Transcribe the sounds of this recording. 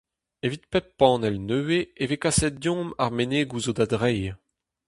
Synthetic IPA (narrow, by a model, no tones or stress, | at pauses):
evit̪̚pɛpːɑ̃ːnɛlnøːweevekasɛt̪̚djɔ̃maʁmeneːɡuzod̪ad̪ʁɛj